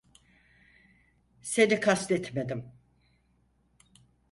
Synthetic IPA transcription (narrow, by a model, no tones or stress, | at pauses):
se̞nikʰast̪ɛt̪ʰmed̪im